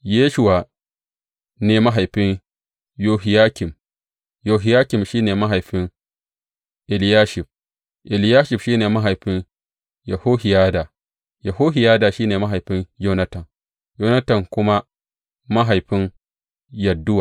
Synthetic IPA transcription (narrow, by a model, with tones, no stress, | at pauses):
jeː˦ʃʊ˦waː˨ | neː˨ma˦ɦa˨jɸɪ˦ɲ | joː˦ɦɪ˨jaː˦kʲɪ˨m | joː˨ɦɪ˨jaː˦kʲɪ˨mʃiː˦neː˨ma˦ɦa˨jɸɪ˦ŋ | ʔɪ˨ljaː˦ʃɪ˨ɸ | ʔɪ˨ljaː˦ʃɪ˨fʃiː˦neː˨ma˦ɦa˨jɸɪ˦n | jɐ˨ho˦hɪ˨jaː˦da˨ | jɐ˨hoː˦ɦɪ˨jaː˦daː˨ʃiː˦neː˨ma˦ɦa˨jɸɪ˦ɲjoː˦nɐ˦tɐ˨ŋ | joː˦nɐ˦tɐ˨ŋkʷʊ˦ma˦ | ma˦ɦa˨jɸɪ˦n | jɐ˨dːʊ˦waː˨